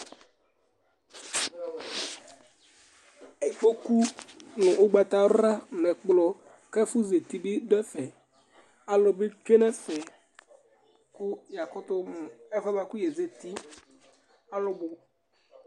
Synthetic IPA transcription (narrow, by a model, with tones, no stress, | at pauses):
e˨i˨fo˦ku˦nʊ̃˨ʔʊ˦ɡ͡ba˨t̪a˨˦ɾa˦n˨ɛ˨k͡plɔ˨ | kɛ˦fʊ˦ze˨t̪i˨bi˦dʊ˦ɛ˦fɛ˨ | a˦lɔ˨be˦t͡ʃᶣe˦nɛ˦fɛ˨ | kʊ˦ja˨kʊ˦t̪ʊ˦m˨ɛ˦fɛ˦ma˨kʊ˦jɛ˨ze˨t̪i˦ | a˦lʊ˦bʊ˨